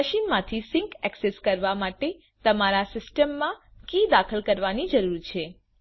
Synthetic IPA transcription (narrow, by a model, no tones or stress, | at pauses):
əʃinmãt̪ʰisɪŋkɛkseskəɾʋamaʈe | t̪əmaɾasɪsʈəmːãkid̪akʰəlkəɾʋanid͡ʒəɾuɾt͡ʃʰe